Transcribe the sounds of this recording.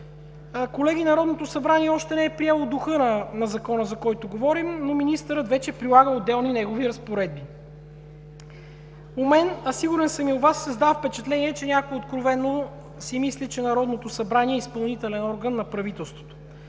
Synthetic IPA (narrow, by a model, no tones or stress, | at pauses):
kolɛɡinɐɾɔd̪not̪osɐbɾanʲiɛɔʃt̪ɛnɛɛpɾiɛlˠod̪ʊxɤnənɐzɐkɔnəzɐkɔjt̪oɡovɔɾimnominist̪əɾət̪vɛt͡ʃɛpɾilˠaɡəod̪ːɛlˠninɛɡoviɾɐspoɾɛd̪̚bi | omɛnɐsiɡʊɾɛnsɐmiʊvasːəzd̪afpɛt͡ʃɛt̪lɛniɛt͡ʃɛnʲakoiot̪kɾovɛnːo | simislit͡ʃɛnɐɾɔd̪not̪osɐbɾanʲiɛispɐlˠnit̪ɛlɛnɔɾɡənːɐpɾɐvit̪ɛlˠst̪vo̥t̪o̥